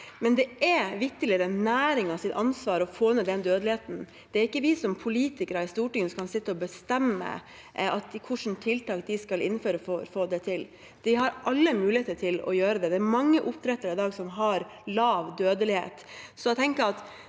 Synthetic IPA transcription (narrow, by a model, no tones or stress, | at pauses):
mɛnd̪ɛɛʋɪk̚t̪əlɪəɾɛnːæːɾɪŋɑʋsɪt̪ɑnsʋɑːɾɔfoːnəd̪ɛnd̪øːd̪lɪheːt̪n̩ | d̪̥ɛæɾɪkːəʋɪsɔmpʰʊliːt̪ɪkəɾɑɪst̪uːʈɪŋənkʰɑnsɪt̪ːəɔbəst̪ɛmːə̰ | ɑt̪kʰʊʂn̩t̪ʰɪlt̪ʰɑːk̚d̪ɪskɑlɪ̰nːføːɾəfofoːd̪ɛt̪ʰɪl | d̪̥ɪɦɑɾʔɑlːəmʉːlɪeːt̪əʈʰɪlɔ̰jøːɾəd̪ɛd̪ɛːɾmɑŋːəʔʊp̚t̪ʰɾɛt̪ːəɾɪd̪ɑːɡsɔmɦɑɾlɑːʋd̪øːd̪əlɪhḛːt̪sɔɛɪt̪ʰɛŋkəɾɑt̪